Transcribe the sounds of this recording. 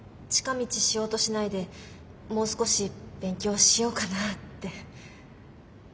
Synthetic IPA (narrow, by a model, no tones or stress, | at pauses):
t͡ɕi̥kamʲit͡ɕiɕijo̞ːt̪o̞ɕinaid̪e̞ | mo̞ːsɨ̥ko̞ɕib̥ẽ̞ŋkʲo̞ːɕijo̞ːkanat̪ːe̞